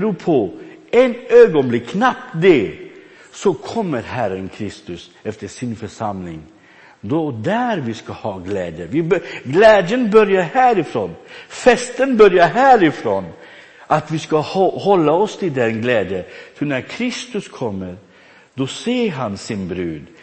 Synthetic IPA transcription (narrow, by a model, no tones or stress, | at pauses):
ɾʉːpʰɔɛnøːɡɔnblɪkːnɑptd̪ɛ | sɔkʰɔmːəɾhæɾənkʰɾɪst̪ʉs | ɛft̪əʂɪnfɔʂɑmlɪŋ | d̪od̪æɾʋɪskɑhɑːɡleːd̪əʋɪbɡleːd̪jənbœɾjəɾhæːɾɪfɾoːnfɛst̪ənbœɾjəɦæːɾɪfɾoːn | ʔɑt̪ʋiːskɑhɔhɔlːəɔst̪ʰɪld̪ɛnɡleːd̪jəfɔnæɾkʰɾɪst̪ʉskʰɔmːəɾ | d̪̥ɔseːɾɦɑnsɪnbɾʉːd̪